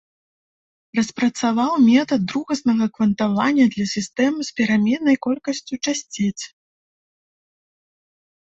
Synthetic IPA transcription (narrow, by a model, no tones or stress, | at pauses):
rɐspɾɐt̪savawmʲɛt̪ɐd̪ːɾuɣɐsnɐɣɐkvɐnt̪avanʲːɐd̪lʲɐsʲist̪ɛmɨsʲpʲɛɾamʲɛnɐjkɔlʲkɐsʲt͡sʲut͡ʂasʲt͡sʲet͡sʲ